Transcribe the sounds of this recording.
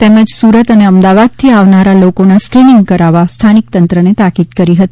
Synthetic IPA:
t̪emə̃d͡ʒsuɾət̪əneəmd̪aʋad̪̚t̪ʰiaʋnaɾalokonaskɾinɪŋɡkəɾaʋast̪ʰanik̚t̪ənt̪ɾənet̪akid̪kəɾiɦət̪i̥

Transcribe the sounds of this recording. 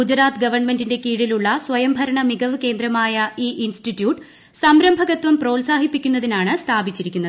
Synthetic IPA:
ud͡ʑɾaːt̪ɨɡɐʋɐrɳmendinde̞kiːɽiluɭːɐswɐjɐmbʱɐɾɐɳɐmiɡɐʋɨke̞ːnd̪ɾɐmaːjɐiːʔinstitːjuːʈ | sɐmɾɐmbʱɐɣɐt̪ʋɐmpro̞ːlsaːɦipːikʲːun̪ːɐðinaːɳɨst̪ʰaːbit͡ɕːiɾikʲːunːɐðɨ

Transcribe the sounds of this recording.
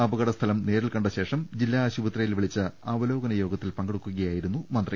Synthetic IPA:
ɐbɐɣɐɽɐst̪ʰɐlɐmne̞ːɾilkɐɳɖɐɕe̞ːʂɐmd͡ʑilːaːɕuʋɐt̪rɐjilʋiɭit͡ɕːɨɐʋɐlo̞ːɡɐnɐjo̞ːɡɐt̪ːilpɐŋɡeɽukːuɣɐjaːjiɾunːumɐnd̪rɐ

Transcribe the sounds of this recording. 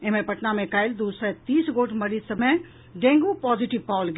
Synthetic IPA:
emẽpɐʈnamẽkaːɪld̪uːsɾɛt̪iːsɡoːʈmɐɾisɐmẽ | ɖẽːŋɡupɔːziʈɪʋpaːlɡ

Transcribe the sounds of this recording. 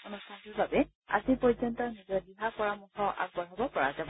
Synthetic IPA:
onustʰantuɹbabɛ | a̰zipɔjzɔntɔɹnizɔɹdiɦapɔɹamuxʰɔʔa̰ɡ̚bɔɹɔbɔpɔɹa̰zab

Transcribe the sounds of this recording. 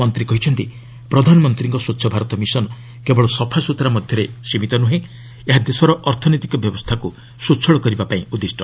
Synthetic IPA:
ɔnt̪ɾikɔɦit͡ʃʰɔnt̪i | pɾɔd̪ʱanɔmɔnt̪ɾiŋkɔsutːʃʰɔbʱaɾɔt̪ɔmisɔnɔ | kebɔɭɔsɔpʰasut̪ɾamɔd̪ʱjɔɾesimit̪ɔnuɦẽ | eɦad̪esɔɾɔʔɔɾt̪ʰɔnɔijt̪ikɔbjɔbɔst̪ʰaku | sutːt͡ʃʰɔɭɔkɔɾibapaĩud̪isʈɔ

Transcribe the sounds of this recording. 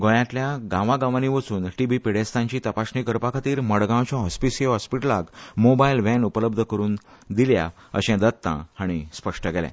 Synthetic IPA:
ɡõjãt̪ljaɡãʋãɡãʋaniʋət͡suːnʈiʋipiɽest̪ãɲt͡ɕiːt̪əpaɕnikəɾpakʰat̪iːɾməɽɡãwt͡ɕɔ̃ɦɔspisɦɔspiʈəlaɡmobailʋɛ̃nupələb̚d̪ʱəkəɾuːn | d̪ilja̰ | ə̰ɕɛ̃d̪ət̪ːã̰aɽ̃ispəʂʈəɡɛlɛ̰̃

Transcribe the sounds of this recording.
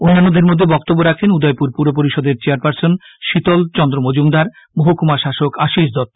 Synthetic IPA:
onːanːod̪ʱeɾmod̪ʱːebɔk̚t̪obːoɾakʰenud̪ɔjpuɾpuɾopoɾiʃɔd̪eɾt͡ɕeaɾpaɾsonʃit̪olt͡ɕɔnd̪ɾomod͡ʑumd̪aɾ | moɦokumaʃaʃokaʃiʃd̪ɔt̪ː

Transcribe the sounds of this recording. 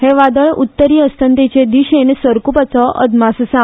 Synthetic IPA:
ɦeʋad̪əɭut̪ːəɾiəst̪ənt̪et͡ʃed̪iʃensʋəɾkupət͡sɔʔə̰d̪masəsa

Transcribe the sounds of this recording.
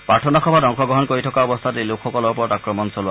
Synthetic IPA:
pɹaɹtʰɔnaxɔbʱatɔŋxɔɡɹɔɦɔnkoɹitʰɔkaɔbɔst̪ʰatelokʰxɔkɔlɔɹpɔɹɔtakɹɔmɔnsolʊa

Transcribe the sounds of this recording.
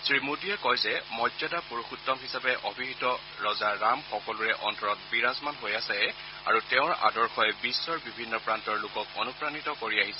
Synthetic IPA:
sɹimudijɛkɔjzɛmɔzadapuɹoxutːɔmɦisapɛʔobʱiɦitɔ | ɹɔzaːamxɔkɔluɹɛʔɔntɔɹɔt̚biɹazmanɦojasɛ | a̰ɹutɛʊ̃ɹa̰dɔɹxɔjɛbisːɔɹbibʱinːɔpɹantɔɹlʊkɔk̚o̰nupɹanitɔkoɹiaɦisɛ

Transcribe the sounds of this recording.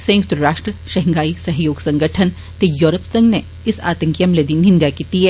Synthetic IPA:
sɐ̃j̃ʊk̚t̪ɾəɾaːʃʈɾəʃɐɦŋɡaːisɐɦjoːɡsɐ̃ŋɡəʈʰən | t̪ejoːɾəpsɐ̃ŋɡne | ɪsa̰ːt̪ə̃ŋkijəmleːd̪inɪ̃nd̪jakiːt̪iɦɛː

